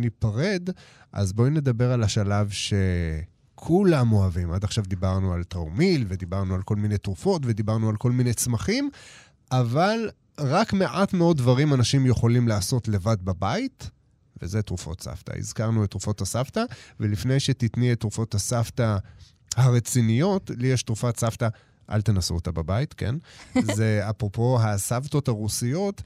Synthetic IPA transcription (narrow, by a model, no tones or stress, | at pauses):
nipaʁe̞d | ʔa̰zbojne̞d̪abeʁalaʃalavʃe | kʰulamo̞avimʔad̪aχʃavd̪ibaʁnualtamilved̪ibaʁnualko̞lminejtʁufo̞tve̞d̪ibaʁnualko̞lmine̞jt͡smaχim | ʔaval | ʁakme̞ʔatmeo̞d̪̚ːvaʁimanaʃimjeχo̞limlaːso̞tle̞vad̪babait | vḛze̞tʁufo̞̰tsa̰fta̰ḭzkaʁnuetːʁufo̞thasaftavelifne̞jʃet̪itnietːʁufo̞thasafta | haʁet͡sinijo̞tlijeʃtʁufatsafta | ʔa̰lt̪enasuot̪ababaitkḛnzeapʁo̞po̞ɦasafto̞thaʁusijo̞t